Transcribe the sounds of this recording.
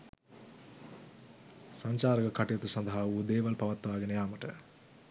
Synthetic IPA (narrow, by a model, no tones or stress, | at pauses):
sɐɲt͡ʃaːɾɐɡɐkʰɐʈjɐt̪usɐnd̪ʱɐɦɐuːd̪eːʋɐlpɐʋɐt̪ːuʋaːɡinɐjaːmɐʈḛ